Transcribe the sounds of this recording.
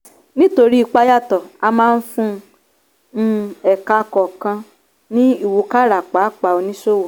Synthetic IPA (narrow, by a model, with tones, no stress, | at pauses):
nĩ˦to˧ɾi˦i˧k͡pa˧˦ja˦˨tɔ˨a˧mãː˦˧n̩˦fũ˦˧ | ɛ˨ka˧kɔ˨kã˧ | nĩ˦i˦˨wu˧ka˦˨ɾa˨k͡pa˨˦k͡pa˧˨o˧nĩ˦ʃo˦˨wɔ˨